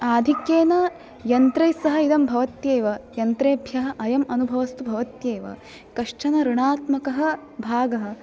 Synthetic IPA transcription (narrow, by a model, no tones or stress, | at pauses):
aːd̪ʱikjeːnɐ | jɐnt̪ɾɐjsɐɦɐ̆id̪ɐmbʱɐʋɐt̪jeːʋɐjɐnt̪ɾeːbʱjɐɦɐ̆ʔɐjɐmɐnubʱɐʋɐst̪ubʱɐʋɐt̪jeːʋɐ̰ | kɐʂt͡ʃɐnɐɾuɳaːt̪mɐkɐɦɐ̆ | bʱaːɡɐɦɐ̆